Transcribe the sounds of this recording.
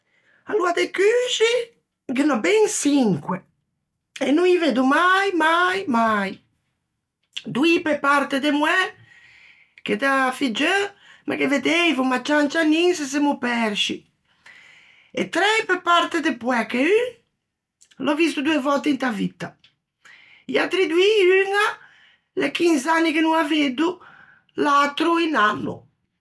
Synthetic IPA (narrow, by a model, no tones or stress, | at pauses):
aluad̪ekyʃi | ɡenɔbɛŋsiŋkwe | enuŋived̪umajmajmaj | d̪uipepaɾt̪ed̪emwɛ | ked̪afid͡ʒømʔa̰keved̪ejvumat͡ʃant͡ʃaninses̬emupɛɾʃi | ḛt̪ɾɛpepaɾt̪ed̪epwɛkey | lɔvist̪ud̪uevɔlt̪eint̪avit̪ːa | ḭat̪ːɾid̪uiyŋa | lekinsanːikenuŋaved̪u | lat̪ɾuinanːṵ